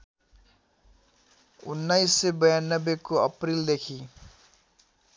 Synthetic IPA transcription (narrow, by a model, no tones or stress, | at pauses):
unːajsːebʌjanːʌbːekoʌprild̪ekʰi